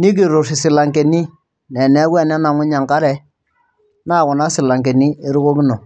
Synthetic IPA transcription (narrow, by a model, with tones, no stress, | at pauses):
ni˦k̬i˨ɾʊ˨sɪ˨sɪ˨la˨ŋkɛ˨ni˦ | nɛ˨nɛ˨˦wɛ˦˨nɛ˦na˨ŋʊ˦ɲa˨ŋka˦ɾɛ˨ | na˦˨kʊ˨na˦sɪ˨la˨ŋke˨ni˦e˦ɾʊ˦ko˦kɪ˦no˨